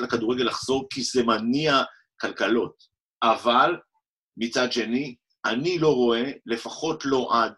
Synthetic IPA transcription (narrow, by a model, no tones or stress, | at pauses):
lakaduʁeɡelaχz̥o̞ʁkizemania | kalkalo̞t | aval | mit͡sadʃe̞ni | ʔanilo̞ʁo̞e̞le̞faχo̞tlo̞ʔad